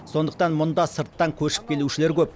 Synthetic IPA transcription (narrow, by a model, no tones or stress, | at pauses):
so̞nd̪əq̚t̪ɑnmʊnd̪ɑsəɾt̪ːɑŋkʲʰɵʃɪ̥p̚kʲʰe̞luʃɪleɾkʲʰɵp̚